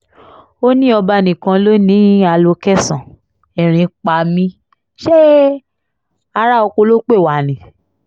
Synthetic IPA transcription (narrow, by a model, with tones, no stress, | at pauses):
o˦nĩ˦ɔ˧ba˧˨nĩ˨kã˧lo˦nĩ˦a˧lo˧kɛ˦˨sã˨ | ɛ˨ɾ̃ĩ˨˧k͡pa˧˨mĩ˦ | ʃe˦ | a˧ɾa˦ɔ˧ko˧lo˦k͡pe˦˨wa˨nĩ˨